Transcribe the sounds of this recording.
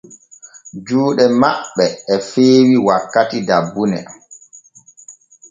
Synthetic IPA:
d͡ʒuːɗɛmaɓːɛːfeːwiwakːatidabːunɛ̰

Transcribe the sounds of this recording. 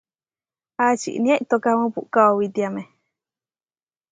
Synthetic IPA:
at͡ʃḭʔnĩãʔit̪okamɨ̃pṵʔkaowit̪iame

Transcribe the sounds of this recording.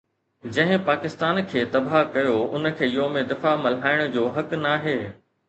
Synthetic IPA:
d͡ʑɐ̃ɦɪ̃paːkɪst̪aːnkʰeːt̪ɐbakɐjoʊ̰nkʰeːɪjomẽd̪ɪfamɐlɦaːɪɽ̃̆d͡ʑoːɦɐknaːɦeː

